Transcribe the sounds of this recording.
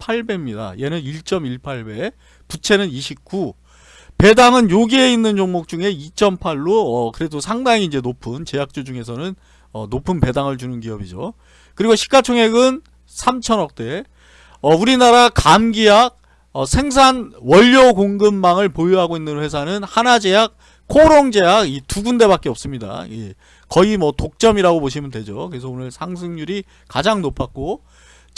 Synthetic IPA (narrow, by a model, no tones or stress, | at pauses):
pʰaɭbe̞mɲida̰ḭjenɯniɭt͡ɕ͈ʌmiɭpʰaɭbe̞ | put͡ɕʰe̞nɯniɕʰip̚k͈u | pe̞daŋɯnjoɡie̞inːɯnt͡ɕoŋmok̚t͡ɕuŋe̞it͡ɕ͈ʰʌmpʰaɭːoʌkɯɾe̞dosʰaŋdaŋiːnd͡ʑe̞nopʰɯnt͡ɕe̞ɦak̚t͡ɕ͈od͡ʑuŋe̞sʰʌnɯn | ʌnopʰɯnpe̞daŋɯɭt͡ɕunɯnɡiʌbid͡ʑo̰ | kɯɾiɡoɕʰi̥k͈at͡ɕʰoŋɦe̞ɡɯn | sʰamt͡ɕʰʌnʌk̚t͈e̞ | ʌuɾinaɾakamɡijak̚ | ʌsʰe̞ŋs̬ʰanwʌʎːokoŋɡɯmːaŋɯɭpojuɦaɡoinːɯnɸwe̞s̬ʰanɯnhanad͡ʑe̞jak̚ | kʰoɾoŋd͡ʑe̞aɡituɡunde̞βak͈eʌp̚s͈ɯmɲida̰e | kʌimwʌtok̚t͡ɕ͈ʌmiɾaɡoboɕ̬ʰimjʌndwe̞d͡ʑokɯɾes̬ʰʌonɯɭsʰaŋs̬ʰɯŋɲuɾi | kad͡ʑaŋnopʰak̚k͈o